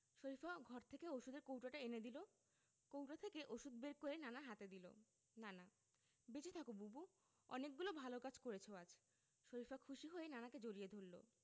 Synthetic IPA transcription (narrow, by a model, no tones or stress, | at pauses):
ʃoɾifaɡʱɔɾt̪ʰekeoʃud̪eɾkowʈaʈaened̪ilo | kowʈat̪ʰekeʔoʃud̪̚beɾkoɾenanaɦat̪ed̪ilo̰ | nana | bet͡ɕit̪ʰakobubu | ɔ̰nek̚ɡulobʱalokad͡ʑkoɾet͡ɕʰoad͡ʑʰ | ʃoɾifakʰuʃiɦoenanaked͡ʑoɾied̪ʱolːo̰